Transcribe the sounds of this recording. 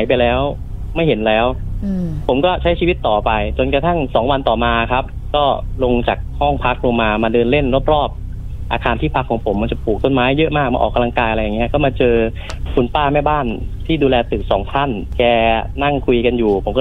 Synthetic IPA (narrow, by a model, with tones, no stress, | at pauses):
jp̬a˧jlɛː˦˥w | ma˥˩jɦe˩˦nlɛː˦˥wpʰo˩˦mkɔː˥˩t͡ɕʰa˦˥jt͡ɕʰiː˧i˦˥t̪ːɔː˨˩pa˧jt͡ɕo˧nkɾa˧t̪ʰa˥˩ŋsɔː˩˦ŋwa˧nt̪ɔː˨˩maː˧kʰa˦˥p̚ | kɔː˥˩lo˧ŋt͡ɕa˨˩k̚hɔ˥˩ŋpʰa˦˥k̚ɾoː˧maː˧maː˧dɤː˧nle˥˩nɾo˦˥˩p̚ɾɔː˥˩p̚ | ʔaː˧kʰaː˧nt̪ʰiː˥˩pʰa˦˥kʰːɔː˩˦ŋpʰo˩˦ma˧nt͡ɕa˨˩puː˨˩k̚t̪o˥˩nmaː˦˥jːɤ˦˥ʔmaː˥˩k̚ma̰ː˧ʔɔ̰ː˨˩kːa˧la˧ŋkaː˧jʔɾa˧ja˨˩ŋi˦˥˧kʰɔ˥˩maː˧t͡ɕɤː˧ | kʰu˧npaː˥˩mɛ˥˩baː˥˩nt̪ʰiː˥˩duː˧lɛː˧t̪ɯː˨˩k̚sɔː˩˦ŋt̪ʰa˥˩nkɛː˧na˥˩ŋkʰu˧jka˧njuː˨˩pʰo˨˩˦mkɔ˥˩